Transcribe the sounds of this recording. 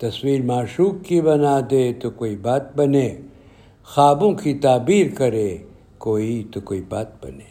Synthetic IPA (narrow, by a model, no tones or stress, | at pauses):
t̪ɐswiːɾmaːʃuːkːibɐnaːd̪et̪okoːibaːt̪̚bɐneː | xaːbõkit̪aːbiːɾkɐɾe | koːit̪okoːibaːt̪̚bɐ̰neː